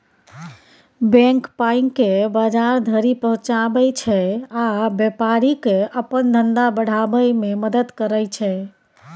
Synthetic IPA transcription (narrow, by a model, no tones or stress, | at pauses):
bɛ̃ŋkpaiŋkːebəd͡ʒaɾd̪ʱəɾipəɦũt͡ʃabəjt͡ʃʰɛabjepaɾikeəpənd̪ʱənd̪abəɽ̤abəjmeməd̪əd̪kəɾəjt͡ʃʰɛ